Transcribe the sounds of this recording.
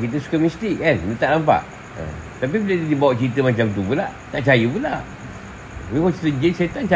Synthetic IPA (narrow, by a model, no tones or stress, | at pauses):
kit̪̬əsu̥kamist̪ikannət̪aʔnampa̰ʔ | ə̰ | t̪ap̬ibilədidibawaʔt͡ʃiɾit̪əmat͡ʃamt̪̬upulat̪aʔt͡ʃajəpunla | wikɔsit̪əd͡ʒənset̪ant͡ʃa